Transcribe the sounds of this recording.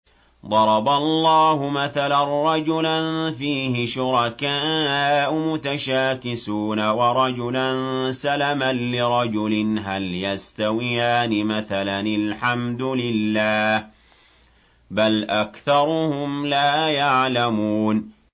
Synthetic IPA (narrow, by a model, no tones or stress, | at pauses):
d̪ˤɑɾˤɑbalˤːɑːhʊmaθalanːɑd͡ʒʊlanfiːhɪʃʊɾˤɑkaːʔʊmʊt̪aʃaːkɪsuːnawɑɾˤɑd͡ʒʊlansalamanlɪɾˤɑd͡ʒʊlɪnɦaljast̪awɪjaːnɪmaθalanɪlħamd̪ʊlɪlːaːh | balʔakθɑɾˤʊhʊmlaːjaʕlamuːn